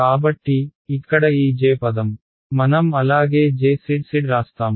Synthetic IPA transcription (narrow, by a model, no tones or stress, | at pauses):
kaːbɐʈːiːkːɐɽɐiːd͡ʒeːpɐd̪ɐm | mɐnɐmɐlaːɡeːd͡ʒeːsiɽsiɽɾaːst̪aːm